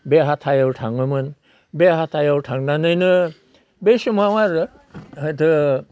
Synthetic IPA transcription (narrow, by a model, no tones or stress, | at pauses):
beɦat̪ʰajawʈʰaŋɯmɯn | beɦat̪ʰajawʈʰaŋnanɯjnɯ | besumawaɾɯ | ɦɯt̪ʰɯ